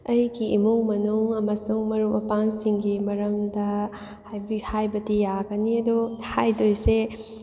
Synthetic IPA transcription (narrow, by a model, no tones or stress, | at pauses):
ɐjɡiimuŋmɐnuŋɐmɐsuŋmɐɾumɐpaŋsiŋɡimɐɾɐŋdɐ | hjbihajbɐdijaɡɐniɐdɔhajdojse